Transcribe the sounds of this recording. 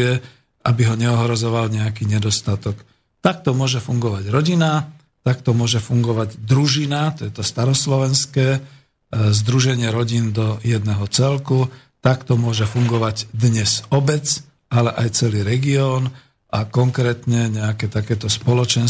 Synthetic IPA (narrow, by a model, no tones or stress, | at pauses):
ɛ | ʔabiɦɔɲɛɔɦɾɔzɔʋalɲɛakiːɲɛd̪ɔst̪at̪ɔk | t̪ak̚t̪ɔmʊɔʒɛfuŋɡɔʋaɟɾɔɟina | t̪ak̚t̪ɔmʊɔʒɛfuŋɡɔʋaɟd̪ɾuʒinat̪ɔjɛt̪ɔst̪aɾɔslɔʋɛnskɛː | zd̪ɾuʒɛɲɪɛɾɔɟind̪ɔjɛd̪nɛɦɔt͡sɛlku | t̪akt̪ɔmʊɔʒɛfuŋɡɔʋaɟd̪ɲɛzɔbɛt͡s | alɛʔajt͡sɛliːɾɛɡiɔːn | ʔakɔŋkɾɛːt̪ɲɛɲɛakɛːt̪akɛːt̪ɔspɔlɔt͡ʃɛn